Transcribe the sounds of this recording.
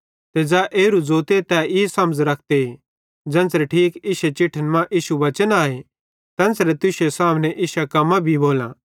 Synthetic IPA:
t̪ed͡zaʔeːɾud͡zoːt̪et̪ɛɪsɐ̃md͡zɾɐkʰd̪e | d͡zɐ̃nsɾeʈʰiːkɪʃet͡ʃɪʈʰənmãʔiːʃuʋɐt͡ʃənaːe | t̪ɛ̃ːnsɾet̪ʊʃesaːmnɛʔɪʃakɐmãbʱiboːlã̰

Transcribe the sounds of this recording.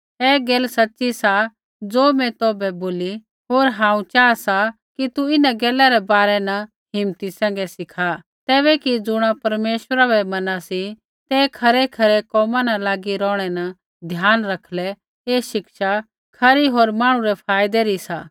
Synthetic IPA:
ɛːɡeːlsɐtːʃisa | d͡zoːmɛ̃t̪oːbɛboːli | ɦoːɾɦãːũt͡ʃaːasa | kit̪uɪnãɡɛːlaɾɛbaːɾɛnɐ | ɦɪmt̪isɛ̃ːŋɡɛsɪkʰa | t̪ɛːβɛkid͡zʊɽ̃apɐɾmeːʃəɾabɛmɐnasi | t̪ɛkʰɐɾɛkʰɐɾɛkɔːmãnɐlaːɡiɾɔ̃ːɽ̃ɛnɐ | d̪ʱjaːnɾɐkʰlɛ | eːʃɪkʃa | kʰɐɾiɦoːɾmaːɽ̃ũɾɛpʰaːjd̪ɛɾisa

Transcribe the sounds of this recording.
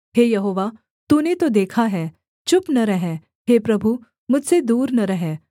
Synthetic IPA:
ɦejɐɦoːʋa | t̪unet̪od̪eːkʰaɦɛ | t͡ʃʊpnɐɾɐɦɛ | ɦepɾɐbʱu | mʊd͡ʒsed̪uːɾnɐɾɐɦɛː

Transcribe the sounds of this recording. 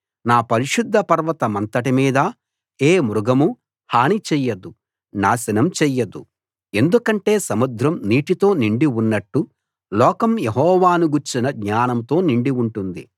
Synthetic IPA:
naːpɐɾiʃud̪ʱːɐpɐɾʋɐt̪ɐmɐnt̪ɐʈimiːd̪ɐ | eːmuɾuɡɐmu | haːɳit͡ʃɛjːɐd̪u | naːsɐnɐmt͡ʃɛːjɐd̪u | e̞nd̪ukɐɳʈe̞ːsɐmud̪ʱɾɐmniːʈit̪o̞ːniɳɖiunːɐʈːu | lɔːkɐmjeɦɔːʋaːnuɡuɾt͡ʃinɐɡɲaːnɐmt̪o̞ːniɳɖiuɳʈund̪ḭ

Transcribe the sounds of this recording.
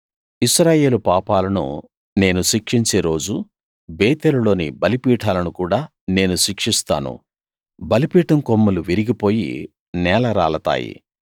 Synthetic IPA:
iʃɾaːje̞ːlupaːpaːlɐnṵ | ne̞ːnuʃikʂiɲt͡ʃeːɾo̞ːd͡ʒu | beːt̪eːlulo̞ːnḭbɐlipiːʈʰaːlɐnukuːɽaː | ne̞ːnuʃikʂist̪a̰ːnṵ | bɐlipiːʈɐŋkomːuluʋiɾiɡipo̞ːjḭ | nɛːlɐɾa̰ːɭɐt̪a̰ːjḭ

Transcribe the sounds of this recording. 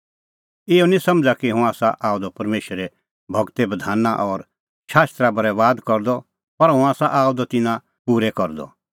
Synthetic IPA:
ɪɔnĩsɐ̃md͡zakiɦũaːsaʔaːd̪ɔpɐɾmeːʃəɾɛ | bʱɐɡt̪ebɐd̪ʱaːnaʔɔːɾ | ʃaːst̪ɾabɐɾɛʋaːd̪kɔɾd̪ɔ | pɐɾɦũaːsaʔaːud̪ɔt̪ɪnã | puːɾɛkɔɾd̪ɔ̰

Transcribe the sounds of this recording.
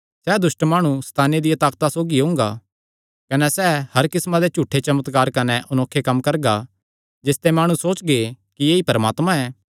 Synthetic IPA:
sɛːd̪ʊʃʈmaːɽ̃ust̪ʰaːned̪ɪjat̪aːkt̪asoːɡiɦʊ̃ːŋɡa̰ | kɐnɛsɛːhɐɾkɪsmãd̪et͡ʃuːʈʰːet͡ʃɐmət̪kaːɾkɐnɛʔʊnoːkʰːekɐmkɐɾɡa | d͡ʒɪst̪emaːɽ̃usoːt͡ʃɡe | kijeːipɐɾəmaːt̪mãɛː

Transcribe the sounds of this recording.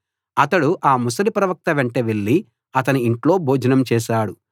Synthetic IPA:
ɐt̪ɐɽuʔaːmusɐɾipɾɐʋɐk̚t̪ɐʋeɳʈeʋe̞ɭːi | ɐt̪ɐniːɳʈlo̞ːbʱoːd͡ʒɐnɐmt͡ʃɛːʃaːɽu

